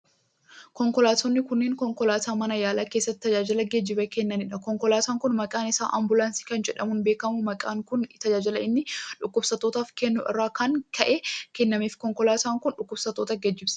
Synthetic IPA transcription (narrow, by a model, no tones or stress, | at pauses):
kɔŋkɔlaːt̪ɔnːɪkʊnːeːŋkɔŋkɔlaːt̪aːmɐnɐjaːlaːke̞ːsːɐt̪ːɪt̪ːɐd͡ʒaːd͡ʒɪlɐɡɛd͡ʒːɪbɛkɛnːɐnɪᶑɐkɔŋkɔlaːt̪aːŋkʊnmɐkʼaːnɪsaːʔɐmbʊlaːnsi̥ːkɐnd͡ʒɛᶑɐmʊnbe̞ːkɐmʊmɐkʼaːŋkʊnt̪ɐd͡ʒaːd͡ʒɪlɐɪnːɪᶑʊkːʊbsɐt̪o̞ːt̪aːfkɛnːʊʔɪ̰rːaːkɐŋkʰɐʔeːkɛnːɐmiːfkɔŋkɔlaːt̪aːŋkʊnᶑʊkːʊb̥sɐt̪oːt̪ɐɡɛd͡ʒːɪbsɐ̥